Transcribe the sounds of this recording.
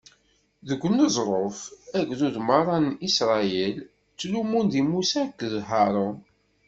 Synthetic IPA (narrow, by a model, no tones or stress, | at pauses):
ðəɡʷːənːəzˤɾˤofæɡðuðmɑɾˤɑnisɾˤɑɛl | t͡sːlumund̪imusækːðɦɑɾˤon